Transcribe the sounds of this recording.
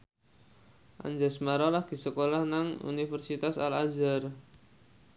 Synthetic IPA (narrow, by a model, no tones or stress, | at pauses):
ʔa̰ɲd͡ʒasmaɾalahɡ̥i̤səkolahnaŋṵnifərsit̪asalad͡ʒar